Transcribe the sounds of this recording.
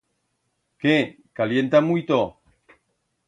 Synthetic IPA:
ke | kaljent̪amujt̪o

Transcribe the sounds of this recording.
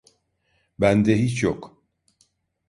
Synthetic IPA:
bænd̪ɛɦit͡ʃjok

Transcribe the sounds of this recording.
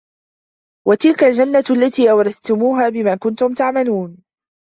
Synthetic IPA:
wat̪ɪlkald͡ʒanːalːat̪iːʔawɾˤɑd̪t̪ʊmuːɦaːbɪmaːkʊnt̪ʊmt̪aʕmaluːn

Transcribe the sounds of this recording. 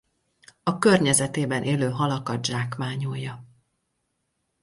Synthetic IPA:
ɒkørɲɛzɛt̪eːbɛnʔeːløːɦɒlɒkɒd̪ʒaːkmaːɲojːɒ

